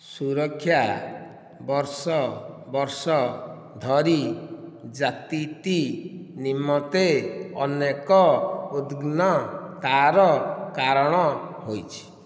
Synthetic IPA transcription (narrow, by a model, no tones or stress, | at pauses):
suɾɔkʰːja | bɔɾsɔbɔɾsɔ | d̪ʱɔɾi | d͡ʒat̪it̪inimːɔt̪eɔnekɔud̪ɡnɔt̪aɾɔkaɾɔɽ̃ɔɦojt͡ʃʰi̥